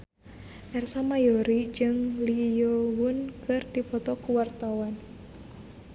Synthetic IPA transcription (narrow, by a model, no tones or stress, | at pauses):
ʔɛrsamajɔɾid͡ʒɨŋlijowʊnkɨrdipɔt̪ɔkuwart̪awan